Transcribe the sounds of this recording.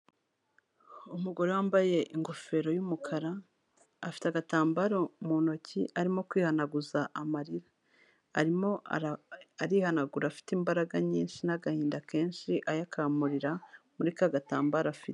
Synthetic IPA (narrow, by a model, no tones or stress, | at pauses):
umuɡo̞ɾowaːmbaje̞ʔiŋɡo̞fe̞ɾo̞jumukʰaɾaː | fi̥teaɡataːmbaɾo̞muno̞ciʔaɾimo̞kwiːhanaɡuzaʔamaɾiɾaː | ɾimo̞aaɾiːhanaɡuɾafi̥timbaɾaɡaɲiːnʃinaɡahiːndake̞ːnʃiʔajakʰamuɾiɾamuɾikaɡata̰ːmbaɾafite